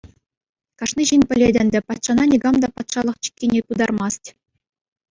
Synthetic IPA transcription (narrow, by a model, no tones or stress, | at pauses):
kɑʂniʑinʲpʲɘ̆lʲedʲɘ̆nʲdʲɘ̆pɑt̪ʂɑnɑnʲiɡɑmd̪ɑpɑt̪ʂɑlˠɤ̆χt͡ɕi̥kʲːenʲekud̪ɑrmɑstʲ